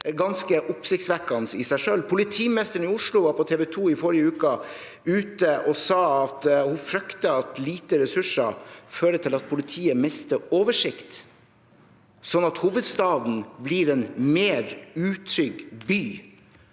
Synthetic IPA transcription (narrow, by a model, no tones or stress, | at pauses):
ɡɑnskəʔʊpsɪkt̪sʋækːɑnsɪsæɪʂølːpʰʊlɪt̪ʰiːmnɛst̪əɾɳ̩ɪʊʂlʊʋɑːɾpɔt̪ʰeːʋɛt̪ʰuːɪfɔɾɪəʉːkə | ʉːt̪əʔɔsɑːɑt̪hʊfɾœkt̪əɑt̪liːt̪əɾɛsʉʂəføːɾət̪ʰɪlɑt̪̚pʰʊlɪt̪ʰiːəmɪst̪əoːʋəʂɪkt̪ | sɔnːɑt̪huːʋəd̪st̪ɑːd̪n̩bliːɾɛnmeːɾʉːt̪ʰɾʏɡbyː